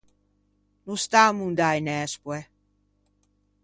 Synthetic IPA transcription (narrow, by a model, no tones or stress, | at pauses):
nust̪aːmund̪ajnɛːspwɛ